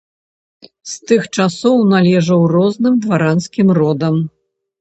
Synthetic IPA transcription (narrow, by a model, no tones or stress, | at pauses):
st̪ɨxt͡ʂasɔwnalʲɛʐɐwrɔznɨmd̪vaɾanskʲimrɔd̪ɐm